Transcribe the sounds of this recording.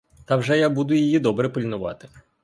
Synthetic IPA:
t̪ɐwʐɛjabud̪ʊjɐjid̪ɔbɾɛpɪlʲnʊʋɑ̰t̪ɪ

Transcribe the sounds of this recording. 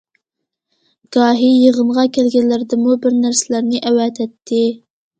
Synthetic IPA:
ɡ̥ɑːɦijeʁənʁɑkʲɛlɡʲɛnllːɪɾd̪ɪmubɪɾnæɾsɪlæɾnɪʔɛwɛt̪ʰɛt̪ʰːɪ

